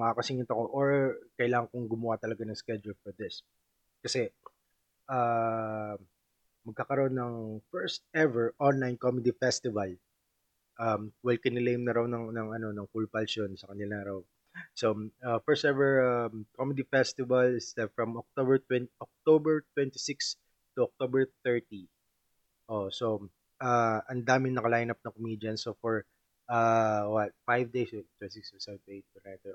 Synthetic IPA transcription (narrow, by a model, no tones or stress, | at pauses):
mɐakɐsɪŋɪnt̪ɐkoʔoɹkɐjlaːŋɐŋkoŋɡʊmɐwat̪ɐlɐɡanɐŋskɛd͡ʒulfɔɹd̪ɪs | kɐsɛ | ʔa | mɐɡ̚kaːkɐɾoʔonːɐŋfɛɹst̪̚ɛvɛɹʔonlajnkomɪd̪ifɛst̪ɪvɐl | ʔɐmwɛlkɛnɪlejmnɐɾɐwnɐŋnɐŋɐno̞nɐŋkʊlpɐlʃonsɐkɐnɪlanɐɾɐw | soafɛɹsɛvɛɹɐmkʰomɛd̪ifɛst̪ɪvɐlɪst̪ɛfɹɐmɔk̚t̪obɛɹt̪wɛnʔɔk̚t̪obɛɹt̪wɛ̃nt̪isɪks | t̪ʊɔk̚t̪obɛɹθɛɹt̪i | ʔoso | ʔaʔɐnd̪aːmɪnːɐkɐlajnɐp̚nɐŋkomid̪ɪɐnsofɔɹ | ʔawɐfajvd̪ejst̪wɛsɪkssat̪ejt̪̚ʊnajt̪ɛ